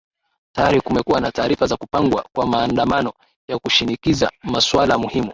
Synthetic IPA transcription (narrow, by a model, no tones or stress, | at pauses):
tajaɾikumɛkuwanataːɾifazakupaŋɡwa̰kwamaːndamanɔ | jakuʃinikiza̰maswalamuhimu